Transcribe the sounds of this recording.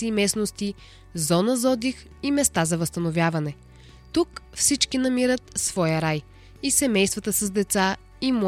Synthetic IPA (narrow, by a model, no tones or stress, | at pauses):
iːmɛsnost̪i | zɔnəzɔd̪ix | imɛst̪azɐvɐst̪ɐnovʲjavɐnɛ | t̪ukfsit͡ʃkinɐmiɾət̪svɔjəɾaj | isɛmɛjst̪vət̪əsɐzd̪ɛt̪sa | im